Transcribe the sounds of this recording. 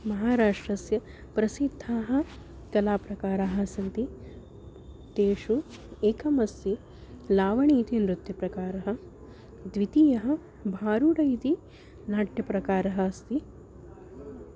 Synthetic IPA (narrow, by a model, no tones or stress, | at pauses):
mɐɦaːɾaːʂʈɾɐsjɐ | pɾɐsid̪ʱːaːɦɐ̆ | kɐlaːpɾɐkaːɾaːɦɐ̆sɐnt̪i | t̪eːʃueːkʰɐmɐst̪i | laːʋɐɳiːt̪inɾut̪jɐpɾɐkaːɾɐɦɐ̆ | d̪ʋit̪ijɐɦɐ̆ | bʱaːɾuɽɐjt̪i | naːʈjɐpɾɐkaːɾɐɦɐɐst̪i